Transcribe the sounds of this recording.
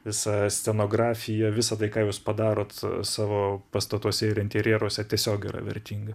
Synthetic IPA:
ʋʲɪsɑsʲt̪ʲɛnoːɡɾɑːfʲɪjɛʋʲɪsɐt̪ɐɪkɑːjuːspɐd̪ɑːɾoːt̪sɑːʋoːpɐst̪ɐt̪uɔsʲɛɪɾɪnʲt̪ʲɛɾʲjiɛɾuɔsʲɛt̪ʲiɛsʲoːɡʲḭːrɐ̰ʋʲɛ̰rʲt̪ʲiːŋɡɐ

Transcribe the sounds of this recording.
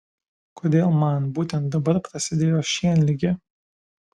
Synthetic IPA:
koːd̪ʲeːlˠmɐnbuːt̪ʲɛnt̪̚d̪ɐbɐɾpɾɐsʲɪd̪ʲeːjoːʃʲiɛnlʲɪɡʲɪ

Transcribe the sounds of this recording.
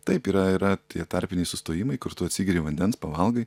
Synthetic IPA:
t̪ɐɪpiːɾɐiːɾɐt̪ʲiɛt̪ɑɾʲpʲɪnʲɛɪsʊst̪oːjɪmɐɪkʊɾt̪ʊɐt̪ʲsʲiɡʲɪɾʲɪʋɐnʲd̪ʲɛnspɐʋɐlˠɡɐɪ

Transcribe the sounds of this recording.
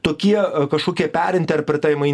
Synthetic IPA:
t̪oːkʲiɛkɐʃkoːkʲiɛpʲæːɾʲɪnʲt̪ʲeɐɾpʲɾʲɪt̪ɐɪmɐɪ

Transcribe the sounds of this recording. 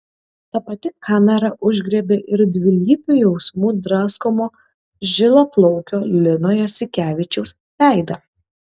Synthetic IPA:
t̪ɐpɐt̪ʲɪkʰɑːmʲɛɾɐʔʊʒʲɡɾʲeːbʲeʔɪɾd̪ʲʋʲɪlʲiːpʲujɛʊsmuːd̪ɾɑːskomoː | ʒʲɪlˠoːplˠɔʊkʲoːlʲɪnoːjoːsʲɪkʲæːʋʲɪt͡ʃʲɛʊs | lʲæˑɪd̪ɐ

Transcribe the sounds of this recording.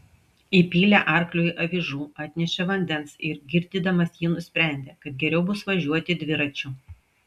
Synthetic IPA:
ipʲiːlʲæʔɐˑɾklʲʊʔɐʋʲɪʒuːɑːt̪ʲnʲɛʃʲɛʋɐnʲd̪ʲɛnsɪɾɡʲɪɾʲd̪ʲiːd̪ɐmɐsjiːnʊsʲpʲɾʲæˑnʲd̪ʲeːkɐt̪̚ɡʲɛɾʲɛʊbʊsʋɐʒʲuɔt̪ʲɪd̪ʲʋʲɪɾɐt͡ʃʲʊ

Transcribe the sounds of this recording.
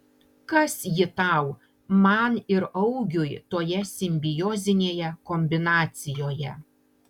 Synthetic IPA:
kɐsjɪt̪ɑˑʊ | mɐnɪɾɐʊɡʲʊjt̪oːjɛsʲɪmʲbʲɪjoːzʲɪnʲeːjɛkɔmʲbʲɪnɑːt̪sʲɪjoːjɛ

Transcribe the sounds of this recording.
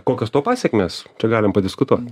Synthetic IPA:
koːkʲost̪oːpɑːsʲɛkʲmʲeːst͡ʃʲɛɡɑːlʲɪmpɐd̪ʲɪskʊt̪uɔt̪ʲ

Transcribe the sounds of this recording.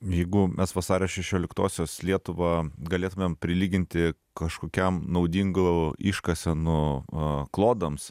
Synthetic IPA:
jɛɪɡʊmʲʔɛsʋɐsɑːɾʲoːʃʲɛʃʲoːlʲɪkt̪oːsʲoːslʲiɛt̪ʊʋɑɡɐlʲeːt̪ʊmʲeːmpʲɾʲɪlʲiːɡʲɪnʲt̪ʲɪ | kɐʃkoːkʲɛmnɐʊd̪ʲiːŋɡiʃkɐsʲɛnʊ | klˠoːd̪ɐms

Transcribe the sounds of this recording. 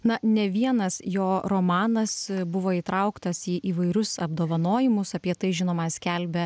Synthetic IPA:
nɐnʲɛʋʲiɛnɐsjoːɾoːmɑːnɐsbʊʋoːiːt̪ɾɐʊkt̪ɐsiːʔiːʋɐɪɾʲʊsɐbd̪oːʋɐnoːjɪmʊsɐpʲiɛt̪ɐɪʒʲɪnoːmɑːsʲkʲɛlʲbʲɛ

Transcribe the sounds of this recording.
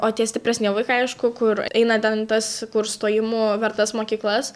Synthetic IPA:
oːt̪ʲiɛsʲt̪ʲɪpʲɾʲɛsʲnʲiɛʋˠɐɪkɐɐɪʃkʊkʊɾɛɪnɐt̪ʲɛnt̪ɐskʊɾst̪oːjɪmuːʋʲɛɾt̪ɐsmoːkʲiːklˠɐs

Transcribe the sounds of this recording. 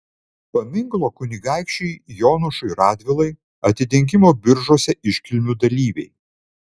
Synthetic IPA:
pɐmʲɪŋɡlˠoːkʊnʲɪɡɑˑɪkʃʲt͡ʃʲɛɪjɔːnʊʃʊɪɾɑːd̪ʲʋʲɪlˠɐɪ | ɐt̪ʲɪt̪ʲɪŋʲk̬ʲɪmoːbʲɪɾʒoɔsʲɛʔɪʃʲkʲɪlʲmʲuːd̪ɐlʲiːʋʲɛ̰ɪ

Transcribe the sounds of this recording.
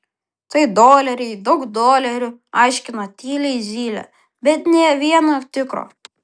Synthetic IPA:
t̪ɐɪd̪oːlʲɛɾʲɛɪd̪ɐʊkd̪oːlʲɛɾʲʊɐɪʃʲkʲɪnɐt̪ʲiːlʲɛɪzʲiːlʲɛ̰ | bʲɛt̪nʲeːʋʲiɛnoːt̪ʲɪkɾo̰ː

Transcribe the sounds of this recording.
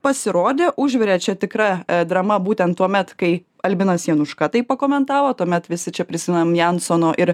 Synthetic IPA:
pɐsʲɪɾoːd̪ʲeːʔʊʒʲʋʲɛɾʲeːt͡ʃʲɛt̪ʲɪkɾɐd̪ɾɐmɐbuːt̪ʲɛnt̪̚tːuɔmʲɛt̪kɐɪ | ɐlʲbʲɪnɐsjiɛnʊʃkɐt̪ɐɪppɐkoːmʲɛnt̪ɑːʋoːt̪uɔmʲɛt̪ʋʲɪsʲɪt͡ʃʲɛpʲɾʲɪsʲɪmʲɛnmjænsoːnoːʔɪɾ

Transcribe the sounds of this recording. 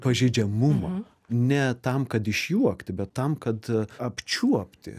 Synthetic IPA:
pɐʒʲɛɪd͡ʒʲɛmʊmɑ | nʲɛt̪ɐmkɐt̪ɪʃʲjuɔkt̪ʲɪbʲɛt̪ːɐmkɐt̪ɐpʲt͡ʃʲuɔpʲt̪ʲɪ̰

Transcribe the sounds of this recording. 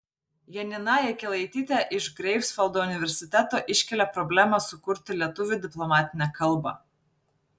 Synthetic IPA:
jɛnʲɪnɑːjɛkʲɛlˠɐɪt̪ʲiːt̪ʲæʔɪʒɡɾʲɛɪfsfɐlˠd̪oːʊnʲɪʋʲɛɾʲsʲɪt̪ʲæt̪oːʔɪʃʲkʲɛlʲɛpɾɔbʲlʲæːmɐsʊkʊɾʲt̪ʲɪlʲiɛt̪ʊʋʲʊd̪ʲɪplˠɔmɑːt̪ʲɪnʲɛkɐlˠbɑ̰ː

